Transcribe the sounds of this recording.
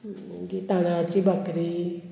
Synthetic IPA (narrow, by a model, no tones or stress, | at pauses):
ɡit̪ãːnãt͡ʃibəkɾi